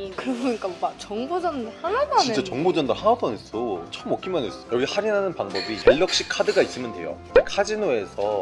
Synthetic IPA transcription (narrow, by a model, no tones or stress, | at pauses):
kɯɾʌbɲikaat͡ɕʌŋbod͡ʑʌndohanapʰat͡ɕnint͡ɕ͈at͡ɕʌŋbod͡ʑʌndahanapʰʌnes͈ot͡ɕʰʌɯmok͈ʰimʌnesjʌɡihaɾinanɯnpaŋbʌbijeʎːʌk̚ɕ͈ikʰadɯɡais͈ɯmjʌndwejo̰ | kʰad͡ʑinoe̞sʰʌ